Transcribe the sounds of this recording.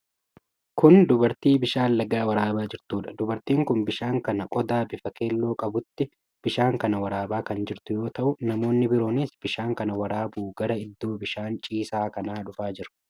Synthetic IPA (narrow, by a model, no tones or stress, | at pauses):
kʊnd̪ʊbɐɾt̪iːbɪʃaːnlɐɡaːwɐɾaːbaːd͡ʒɪɾt̪uːᶑɐd̪ʊbɐɾt̪iːŋkʊnbɪʃaːŋkɐnɐkʼɔd̪aːbɪfɐke̞ːlːo̞ːkʼɐbʊt̪ːɪ | b̥ɪʃaːŋkɐnɐwɐɾaːbaːkɐnd͡ʒɪɾt̪ʊjo̞ːt̪ɐʔʊnɐmo̞ːnːɪbɪɾo̞ːniːsb̥ɪʃaːŋkɐnɐwɐɾaːbuːɡɐɾɐɪd̪ːo̞ːbɪʃaːnt͡ʃʼiːsaːkɐnaːᶑʊfaːd͡ʒɪɾɐ̥